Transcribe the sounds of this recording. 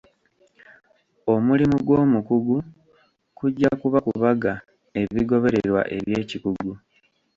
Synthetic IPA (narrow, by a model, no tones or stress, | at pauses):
o̞mulimuɡwo̞ːmukuɡu | kuɟːakuβakuβaɡa | e̞βiɡo̞βe̞ɾeɾwa̰ʔe̞̰βje̞ːcikuɡu